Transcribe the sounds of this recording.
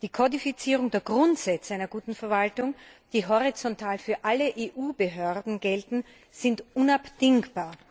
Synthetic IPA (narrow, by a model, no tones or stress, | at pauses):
d̥iːkʰɔdifit͡siːʁ̞ʊŋdeːɐɡʁʊntz̥ɛt͡saɪnɐɡuːtn̩fɛɐvaltʊŋd̥iːɦɔʁit͡sɔntʰaːlfyːɐʔaləʔeːʔuːbəɦøɐdn̩ɡɛltn̩ | z̥ɪntʔʊnapd̥ɪŋkb̥aːɐ